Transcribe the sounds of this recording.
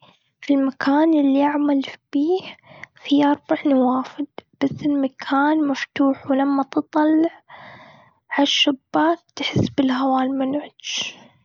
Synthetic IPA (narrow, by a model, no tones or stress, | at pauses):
filmakʰaːnʔɪlːiʔaʕmalb̥iːhfiʔɑɾˤbaʕnawaːfɪd̪b̥asːɪlmakʰaːnmaft̪uːħwɪlamːat̪ɨt̪ˤːɑlːɪʕ | ʕaʃːabːaːk̚t̪ħɪsːbɪlhawaːlmʊnʕʊd̪ʃ